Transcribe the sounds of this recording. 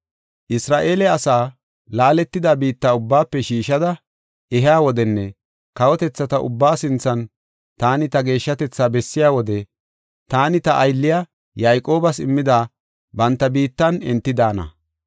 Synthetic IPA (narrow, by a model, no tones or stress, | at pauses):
ʔɪsɾaːʔe̞ːlɛɐsaː | laːlɛt̪ːɪd̪aːbiːt̪ːaːʊbːaːpːɛʃiːʃɐd̪ɐ | ʔɛɦɪaːwɔd̪ɛnːɛ | kɐwɔt̪ɛt͡sːɐt̪ɐʔʊ̰bːaːsɪnt͡sːɐn | t̪aːnɪt̪ɐɡe̞ːʃːɐt̪ɛt͡sːaːbɛsːɪjaːwɔd̪ɛ | t̪aːnɪt̪ɐʔɐjlːɪja | jaːjkʼo̞ːbɐsɪmːɪd̪aː | bɐnt̪ːɐbiːt̪ːɐnɛnt̪ːɪd̪aːnɐ̰